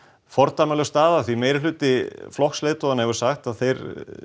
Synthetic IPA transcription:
fɔɾt̪aːmalɛɣst̪aːðaθvimejɾɪlʏːt̪ɪflɔxksleːt̪ɔanːhɛvʏɾ̥saxt̪aðθejɾ

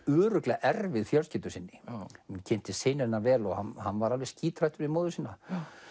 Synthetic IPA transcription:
ʏːɾʏklɛɣaʔɛrvɪðfjœlscɪːt̪ʏsɪnːɪcʰɛn̥t̪ɪseːjnɪɾɛnavɛːlɔɣhanhanːvaɾalvɛsciːt̪ɾajht̪ʏɾvɪmoːwðʏsiːnːa

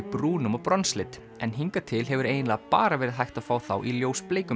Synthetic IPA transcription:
pɾuːnʏmɔpɾɔnslɪt̪ | ɛnɦiŋkat̪ʰɪlɦɛvʏɾejnlaːɣaapa̰ːɾavɛːɾɪðɦajht̪afaːwθa̰wʔiljoːwspleːjkʏ

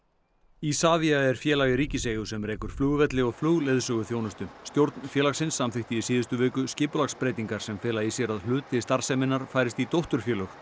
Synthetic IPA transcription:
isaːviaɛɾ̥fjɛːlaɣɪɾiːcɪseːjʏsɛmreːkʏɾ̥fluːɣʏvɛt̪lɪɔɣfluːɣlɛðsœːɣʏθjoːwnʏst̪ʏst̪jowɾt̪nfjɛːlaxsɪnsːamθɪht̪iisiːðʏst̪ʏvɛːkʏscɪːpʏlakspɾeːjt̪iŋkaɾ̥sɛmfɪːlaisjɛɾaðlʏːt̪ʰːɪst̪aɾ̥sɛmɪnːaɾ̥faːjɾɪst̪it̪owht̪ʏɾ̥fjɛːlœx

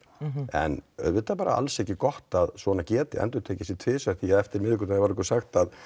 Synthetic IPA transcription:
ɛ̰nœ̰ðvɪt̪ːapaːɾa̰a̰lsɛhcɪkɔht̪aðsvɔnacɛːt̪ɪ̰ɛ̰nt̪ʏɾt̪ʰeːjcɪsɪt̪ʰvɪːsḁθiaðɛft̪ɪɾmɪðɪkʏ̥t̪ajavaɾɪkɔsaxt̪að

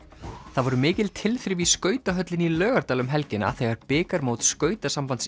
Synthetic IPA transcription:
θaðvɔɾʏmɪːcɪlt̪ʰɪlfɾɪviskœːɥt̪aɦœt̪lɪnilœːɣaɾt̪aːlʏmɦɛlcɪna̰θeɣaɾpɪːkaɾmoːwt̪skœːɥt̪asampant̪s

